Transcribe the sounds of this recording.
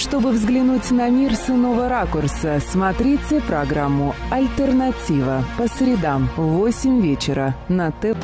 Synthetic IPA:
ʂt̪o̞bɨvzɡlʲɪnutʲnɐmʲirsɨnovəɾakʊrsəsmɐt̪ɾʲit͡sʲɪpɾɐɡɾamːʊɐlʲt̪ərnɐtʲivəpəsɾʲɪd̪amvosʲɪmʲvʲet͡ɕɪɾənət̪ɛ

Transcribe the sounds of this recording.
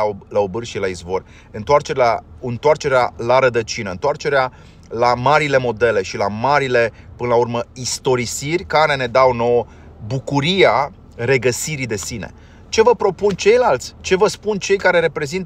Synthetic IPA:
laobɨrʃilaizvo̞rʲ | ɨnt̪oart͡ʃe̞ɾaɨnt̪oart͡ʃe̞ɾealaɾəd̪ət͡ʃinəɨnt̪oart͡ʃe̞ɾea | lamaɾile̞mo̞d̪e̞le̞ʃilamaɾile̞pɨnəlaurməist̪o̞ɾisirʲkaɾe̞ne̞d̪awno̞wə | bukuɾia | re̞ɡəsiɾid̪e̞sinḛ | t͡ʃe̞vəpɾo̞punt͡ʃe̞jlalt̪sʲt͡ʃe̞vəspunt͡ʃe̞jkaɾe̞ɾe̞pɾe̞zint̪

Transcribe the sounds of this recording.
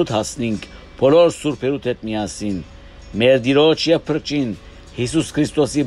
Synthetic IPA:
ut̪ʰhɑsniŋkʰ | b̥ʰɔlɔɾsuɾpʰɛɾut̪ʰɛt̪̚mijɑsin | mɛɾd̪iɾɔt͡ʃʰjɛvpʰəɾt͡ʃin | hisuskʰɾist̪ɔsi

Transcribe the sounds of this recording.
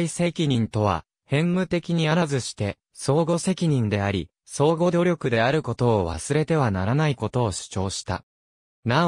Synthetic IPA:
ise̞kʲiɲ̟ĩnt̪o̞β̞a̰ | hẽ̞mmɯ̟t̪e̞kʲiɲ̟iaɾazɨɕi̥t̪e̞ | so̞ːɡo̞se̞kʲiɲ̟ĩnd̪e̞aɾʲi | so̞ːɡo̞d̪o̞ɾʲjo̞kɯ̟d̪e̞aɾɯ̟ko̞t̪o̞ːβ̞a̰sɨɾe̞t̪e̞β̞anaɾanaiko̞t̪o̞ːɕɨ̥t͡ɕo̞ːɕi̥t̪a̰ | na

